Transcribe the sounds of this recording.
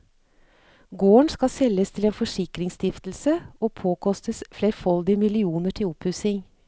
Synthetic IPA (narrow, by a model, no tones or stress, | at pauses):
ɡoːəɳskɑsɛlːəst̪ʰɪleːnfɔʂɪkɾɪŋst̪ɪft̪l̩səoːpʰoːkʰɔst̪əsfleːɾfɔld̪ɪmɪlɪuːnəʈʰɪlʊphʉːsɪŋ